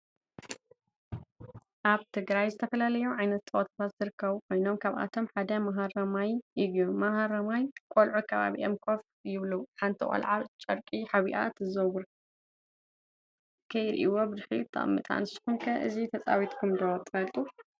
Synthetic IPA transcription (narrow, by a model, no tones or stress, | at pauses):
ʔaβt̪ʰɨɡɾajzɨt̪ʰɐfɐlalɐjuʕajnɐt̪ːʼot̪ʰat̪ʰat̪z̥ɨɾɨkʰːɐβkʰo̞jno̞mkʰaβʔa̰t̪ʰo̞mħad̪ɐmɐɦaɾɐmajɨjomɐɦaɾɐmajkʷʼolʕukʰɐβa̰βḭʔemkʰo̞f | jɪβluħant̪ʰikʼo̰lʕaβt͡ʃʼɐɾkʼiħaβiʔa̰t̪ʰɨzɐwuɾ | kʰɐjɾḭʔiwo̞bɨzħḭt̪ʰːɐ̰ʔʼmːɨ̰t̪ʼa̰nɨsɨ̥xunkʰɐʔɨzit̪ʰɐt͡sʼa̰wit̪kʰumd̪ɐwɐt̪ʰʼɨfɐlt̪ʼu